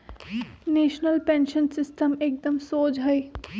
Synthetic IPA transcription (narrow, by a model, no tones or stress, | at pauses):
neːʃnəlpẽːnʃənsɪsʈəmeːk̚d̪əmsoːd͡ʒɦɐi